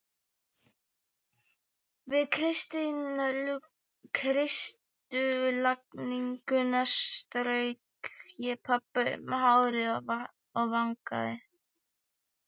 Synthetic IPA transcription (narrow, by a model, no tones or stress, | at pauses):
vɪðkʰɾɪst̪inal | kʰɾɪst̪ʏlakniŋkʏnast̪ɾejkjɛpʰapːʏmɛɦawɾɪ | aɣvaŋka̰ðɪ